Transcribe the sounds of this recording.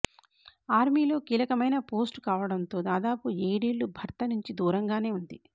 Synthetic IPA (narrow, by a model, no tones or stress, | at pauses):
aːɾmiːlo̞ːkiːlɐkɐmɐjnɐpo̞ːsʈkaːʋɐɽɐnt̪o̞ːd̪aːd̪aːpueːɽiːɭːubʱɐɾt̪ɐnuɲt͡ʃid̪uːɾɐŋɡaːne̞ːund̪i